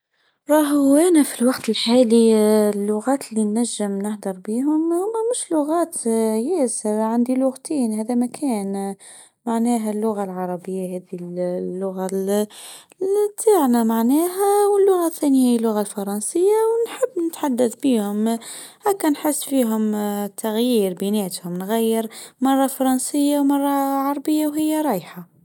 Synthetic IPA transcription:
ɾˤɑːɦʔænæfilwɑqt̪ɪlħaːlilːʊɣæːt̪linːæʒːɪmnɪħd̪ɑɾˤbiːɦʊmhʊmmʊʃlʊɣæːt̪jæːsɪɾʕand̪ilʊɣt̪ʰiːnhæːðæmækʰæːn | maʕnæːɦælːʊɣalʕɑɾˤɑbɪjːahæːðillːʊɣa | t̪ʰːaːʕnamaʕnæːɦæwəlːʊɣaθːænɪjailːʊɣalfɑɾˤɑnsəjːawnħəbːnət̪ħad̪ːaθbiːhʊm | hækːænħɪsːfiːɦʊmt̪ʰaɣjiːɾbineːt̪hʊmnɣæjːəɾmɑrˤːɑfɑɾˤɑnsəjːawmɑrˤːɑʕɑɾˤɑbəjːawɦɪjːaɾˤɑːjħa

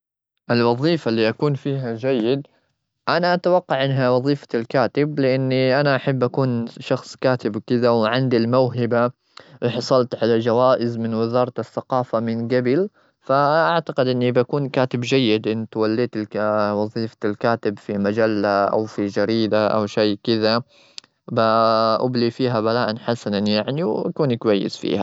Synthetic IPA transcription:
ʔɪlwɑðˤiːfalːiːʔakuːnfiːɦad͡ʒajːɪd̪̚ | ʔanaʔat̪awɑqːɑʕʔɪnːɦawɑðˤiːfḁlkaːt̪ɪblɪʔanːiʔanaʔaħabːʔakuːnʃɑxsˤkaːt̪ɪbkɪd̪awʕɪnd̪ilmawɦɪba | wɪħɑsˤɑlt̪ʕalad͡ʒawaːʔɪzmɪnwɪzɑːɾˤt̪ɑθːaqɑːfamɪnɡabɪl | faʔaʕt̪aqɪd̪ʔɪnːibakuːnkaːt̪ɪbd͡ʒajːɪd̪ʔɪnːt̪walːiːt̪ɪwɑðˤiːfaɪlkaːt̪ɪbfimad͡ʒalːaʔa̰wfid͡ʒaɾiːd̪aʔa̰wʃejːkɪða | baʔʊblifiːɦabalaːʔanħasananjaʕniwa̰kuːnkwajːɪ̰sfḭːha

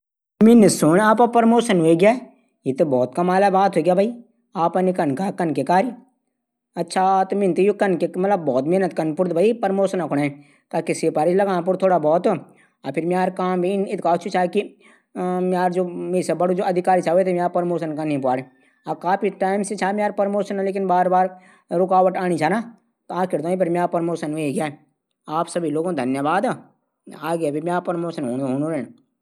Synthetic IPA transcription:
mɪnisʊɽ̃aːpapɐɾmoːsənɦoeɡjaː | jit̪bɔːt̪kɐmaːlabaːt̪ɦoiɡjaːbʱai | aːpɐnikənkakɐnkekaːɾj | ɐtːʃʰat̪omɪnt̪ijokɐnkemɐt̪ləbːɔːt̪meɦnət̪kɐnpʊɾt̪̚bʱaːipɐɾmoːsənɐkʰʊɽ̃e | kaːkisepaːɾid͡ʒlɐɡãːp̬ʊɾt̪ʰoːɽabɔːt̪o | apʰɪɾmiaːɾkaːmbʱinɪt̪̚kaːt͡ʃʰut͡ʃʰaːki | maːɾd͡ʒoːmeːsebɐɽod͡ʒoːɐd̪ʱɪkaːɾit͡ʃʰaːet̪ʰemaːpəɾmoːʃənkanĩp̬aːɽe | akaːpʰiʈaːɪmset͡ʃʰaːmeaːɾpəɾmoːʃənleːkɪnbaːɾbaːɾ | ɾʊkaːʋəʈaːñit͡ʃʰaːnaː | t̪aːkɪɾd̪õipʰɐɾmaːpəɾmoːʃənmeiɡɪjaːɛ | aːpsɐbʱiloːɡõd̪ʱɐnjəbaːd̪a | aːɡjabʱimjaːpəɾmoːʃənɦoːnɦoːnoɾeːn

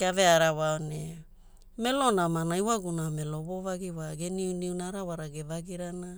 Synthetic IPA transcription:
keaveaɾawaone | me̞lo̞namanaiwaɡuname̞lo̞βovaɡiwaɡe̞niuniunaɾawaɾaɡevaɡiɾana

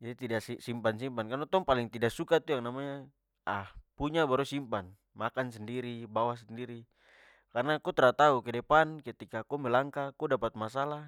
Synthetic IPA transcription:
d͡ʒadit̪idassimpansimpankanɔt̪ɔŋpaliŋt̪idaʔsukat̪ujaŋnamaɲa | ahpuɲabaɾusimpan | makansɛndiɾibawasɛndiɾi | karnakɔt̪ɛɾat̪aukɛdɛpankət̪ikakɔmɛlaŋkakɔdapat̪̚masala

